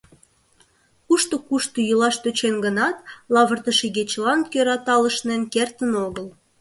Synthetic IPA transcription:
kuʃt̪okuʃt̪ojylɑʃt̪øt͡ɕenɡənɑt̪lɑβərt̪əʃeɣet͡ɕlɑnkøɾɑt̪ɑləʃnenkert̪ənoɣəl

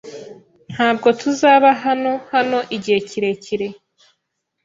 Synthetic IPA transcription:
n̥haːb̚ɡo̞tʰuzaːβaɦano̞hano̞ʔiɟiheciɾe̞ciɾe̞

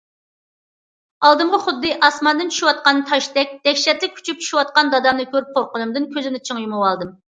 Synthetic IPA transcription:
ɑlˠd̪ɨmʁɑχʊd̪ːɨʔɑsmɑnd̪ɨnt͡ʃʰu̥ʃiwɑt̪̚qɑnt̪ʰɑʃt̪ɛk̚ʲd̪̥ɛkʲʃɛt̪lɪk̚ʲkʰy̥t͡ʃʰyp̚t͡ʃʰu̥ʃiwɑt̪̚qɑnd̪ɑd̪ɑmnɨkʲʰøɾyp̚qʰoɾqʊnumd̪ɨnkʲʰøzɪnɪt͡ʃʰəŋjumuwɑlˠd̪ɨm

